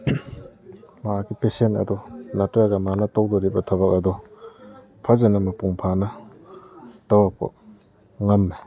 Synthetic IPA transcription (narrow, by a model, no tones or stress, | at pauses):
maaɡipesentɐ̰dɔnatɾaɡɐmanɐtowdɔɾibɐtʰɐβak̚ɐdɔ | pʰazanɐmɐpuŋpʰanɐ | tawakpo̰ | ŋamːe